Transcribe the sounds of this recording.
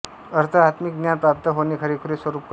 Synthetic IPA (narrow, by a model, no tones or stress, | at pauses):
əɾt̪ʰəat̪mik̚ɡ̪njanpɾap̚t̪əɦoniːkʰəɾiːkʰuɾiːsʋəɾuːp̚k